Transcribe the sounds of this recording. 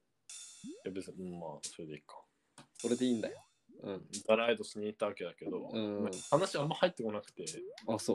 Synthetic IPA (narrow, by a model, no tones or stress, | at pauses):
jabet͡sɨɲɯ̃mːaːso̞ɾe̞d̪e̞ikḁ | so̞ɾe̞d̪eĩːnd̪ajo | ɯ̟̃ɴd̪aɾaid̪osɨɲ̟iːt̪ːaβake̞d̪ake̞d̪õ̞mahanaɕiamːahait̪ːe̞ko̞nakɯ̟̥t̪e̞aso